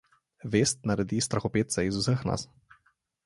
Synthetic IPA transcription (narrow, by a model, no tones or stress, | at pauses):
ʋest̪̚naɾɛd̪ist̪ɾaxɔpeːt̪saizusəxna̰s